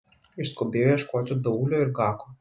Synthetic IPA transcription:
ɪʃskobʲeːjojɛʃkoːt̪ʲʊd̪ɐuːlʲoːɪɾɡɑːko

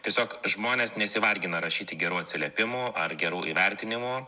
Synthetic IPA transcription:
t̪ʲiɛsʲoːkʒmoːnʲeːsnʲɛsʲɪʋɐlʲɡʲɪnɐɾɐʃʲiːt̪ʲɪɡʲɛɾuːɐt̪ʲsʲɪlʲɛpʲɪmuɐrɡʲɛɾuːʔiːʋʲɛɾʲt̪ʲɪnʲɪmuː

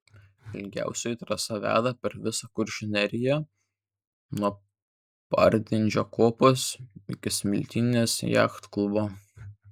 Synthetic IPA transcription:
ɪlʲɡʲæ̰ˑʊsʲɛjt̪ɾɐsɐʋʲæ̰ːd̪ɐpʲɛɾʋʲɪsɐkʊɾʲʃʲɪnʲɛɾʲɪjɛ | nuɔ | pɐ̰ɾʲd̪ʲɪnʲd͡ʒʲokoːposɪ̰kʲɪsʲmʲɪlʲt̪ʲinʲeːsjæ̰ːxt̪klˠʊbo

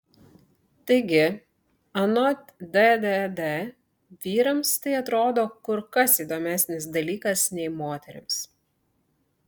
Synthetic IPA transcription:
t̪ɐɪɡʲɪ | ɐnɔt̪d̪ɛd̪ɛd̪ɛ | ʋʲiːɾɐmst̪ɐɪɐt̪ɾoːd̪oːkʊɾkɐsiːd̪oːmʲæsʲnʲɪsd̪ɐlʲiːkɐsnʲɛɪmoːt̪ʲɛɾʲɪ̰ms

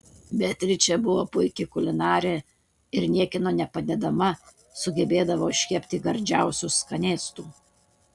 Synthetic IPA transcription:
bʲɛt̪ʲɾʲɪt͡ʃʲɛbʊʋoːpʊɪkʲɪkʊlʲɪnɑːɾʲeː | ɪɾnʲiɛkʲɪnoːnʲɛpɐd̪ʲɛd̪ɐmɐ | sʊɡʲɛbʲeːd̪ɐʋoːʃʲkʲɛpʲt̪ʲiɡɐɾʲd͡ʒʲæˑʊsʲʊskɐnʲeːst̪uː

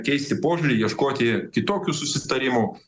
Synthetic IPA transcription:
kʲɛɪsʲt̪ʲɪpoːʒʲʊɾʲiːjiɛʃkoːt̪ʲɪkʲɪt̪oːkʲuːsʊsʲɪt̪ɐɾʲɪmu

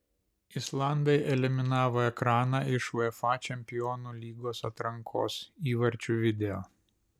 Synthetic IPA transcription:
ɪslˠɑˑnd̪ɐɪʔɛlʲɪmʲɪnɑːʋoːɛkɾɑːnɑːɪʃʋɐɪfɑːt͡ʃʲɛmʲpʲɪjɔnuːlʲiːɡoːsɐt̪ɾɐŋkʰo̰ːsiːʋɐɾʲt͡ʃʲuːʋʲɪd̪ʲɛoː

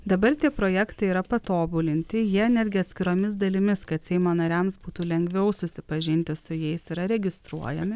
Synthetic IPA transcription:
d̪ɐbɐɾt̪ʲiɛpɾoːjæːkt̪ɐɪiːɾɐpɐt̪oːbulʲɪnʲt̪ʲɪjiɛnʲæːd̪ʲɡʲɪɐt̪ʲsʲkʲɪɾoːmʲɪs̬d̪ɐlʲɪmʲɪskɐt̪sʲɛɪmoːnɐɾʲæmsbuːt̪uːlʲɛŋʲɡʋʲɛʊsʊsʲɪpɐʒʲɪnʲt̪ʲɪsʊjɛɪsiɾɐɾʲɛɡʲɪst̪ɾuɔjɛmʲɪ

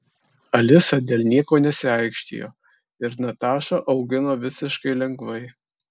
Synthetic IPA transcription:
ɐlʲɪsɐd̪ʲeːlˠʲnʲiɛkoːnʲɛsʲɪɑɪkʃʲt̪ʲḭjo̰ː | ɪɾnɐt̪ɑːʃoːʔɒʊɡʲɪnoːʋʲɪsʲɪʃkɐɪlʲɛŋɡʋɐɪ

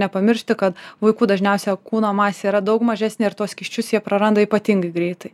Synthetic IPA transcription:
nʲɛpɐmʲɪɾʲʃʲt̪ʲɪkɐt̪ʋɐɪkuːd̪ɐʒʲnʲɛʊsʲɛɐkuːnoːmɑːsʲeiːɾɐd̪ɐʊkmɐʒʲæːsʲnʲeːɪɾt̪uɔskʲɪʃʲt͡ʃʲʊsjiɛpɾɐɾɐnd̪ɐiːpɐt̪ʲiŋɡɐɪɡɾʲɛɪt̪ɐɪ

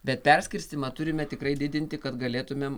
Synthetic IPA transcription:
bʲɛt̪pʲɛɾʲsʲkʲɪɾʲsʲt̪ʲɪmɐt̪ʊɾʲɪmʲɛt̪ʲɪkrɐɪd̪ʲɪd̪ʲɪnʲt̪ʲɪkɐt̪ɡɐlʲeːt̪ʊmʲeːm

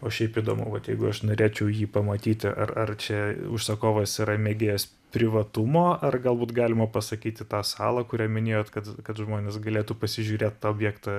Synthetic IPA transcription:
oːʃʲɛɪpiːd̪oːmʊʊʋɐt̪jɛɪɡʊɐʃnoːɾʲeːt͡ʃʲɛʊjiːpɐmɐt̪ʲiːt̪ʲɪʔɐrɐrt͡ʃʲɛʊʃsɐkoːʋɐsiɾɐmʲeːɡʲeːjoːs | pʲɾʲɪʋɐt̪ʊmoːɐrɡɐlˠbuːt̪ɡɑːlʲɪmɐpɐsɐkʲiːt̪ʲɪt̪ɑːsɑːlˠɐkʊɾʲæːmʲɪnʲeːjoːt̪kɐt̪kɐt̪ʒmoːnʲeːsɡɐlʲeːt̪uːpɐsʲɪʒʲuːɾʲeːt̪t̪ɑːoːbʲjɛːkt̪ɑ

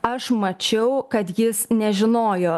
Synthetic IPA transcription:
ɐʃmɐt͡ʃʲɛʊkɐt̪jɪsnʲɛʒʲɪnoːjoː

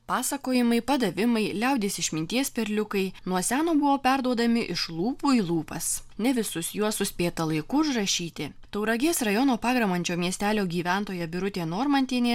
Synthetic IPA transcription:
pɑːsɐkoːjɪmɐɪpɐd̪ɐʋʲɪmɐɪlʲɛˑʊd̪ʲeːsɪʃmʲɪnʲt̪ʲiɛspʲɛɾʲlʲʊkɐɪnuɔsʲæːnoːbʊʋoːpʲæɾd̪uɔd̪ɐmʲɪʔɪʃlˠuːpuːiːlˠuːpɐsnʲɛʋʲɪsʊsjuɔsʊsʲpʲeːt̪ɐlˠɐɪkʊʒrɐʃʲiːt̪ʲɪ | t̪ɐʊɾɐɡʲeːsɾɐjonoːpɑːɡɾɐmɐnʲt͡ʃʲoːmʲiɛsʲt̪ʲæːlʲoːɡʲiːʋʲɛnt̪oːjɛbʲɪɾʊt̪ʲeːnoːɾmɐnʲt̪ʲiːnʲeː

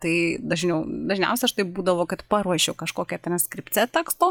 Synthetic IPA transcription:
t̪ɐɪd̪ɐʒʲnʲɛʊd̪ɐʒʲnʲɛ̰ʊsʲɛɐʃt̪ɐɪp̚buːd̪ɐʋoːkɐt̪pɑɾuɔʃʲɛʊkɐʃkoːkʲɛt̪rɐnʲsʲkɾʲɪpʲt͡sʲɛt̪ɐkst̪oː

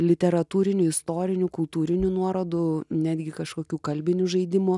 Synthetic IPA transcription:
lʲɪt̪ʲɛɾɐt̪uːɾʲɪnʲʊɪst̪oːɾʲɪnʲʊkʊlˠt̪uːɾʲɪnʲunuɔɾoːd̪ʊnʲæːd̪ʲɡʲɪkɐʃkoːkʲuːkɐlʲbʲɪnʲʊʒɐɪd̪ʲɪmʊ

